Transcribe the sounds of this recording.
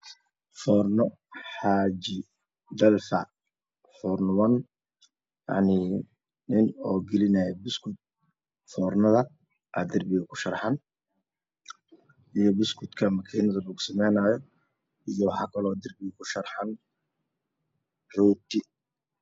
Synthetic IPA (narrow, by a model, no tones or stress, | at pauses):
fɔːrnɔ | ħaːd͡ʒɪ | d̪ɐlfɐ | fɔːrnwɐn | ja̰ʕnɪ | nɪnɔːɡɛlɪnɐjɛbɪskʰʊd̪̚ | fɔːrnɐðɐ | ʔa̰d̪ɪrbɪɣɐkʰʊ̥ʃɐrħɑn | ijɔbɪskʰʊd̪kʰɐmɐkʰiːnɐðɐlɐɣʊsɐmɛjnaːjɔ | ijɔwɑħɑ̰ːkʰɐlɔːd̪ɐrbɪɣɐkʰʊʃɐrħɑn | rɔːt̪ʰi